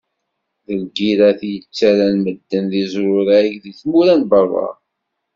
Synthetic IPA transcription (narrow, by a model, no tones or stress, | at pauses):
ðəlɡiɾæθjət͡sːæɾænməd̪ːənðizɾʊɾækðiθmuɾænbərˤːɑ̰ɾˤ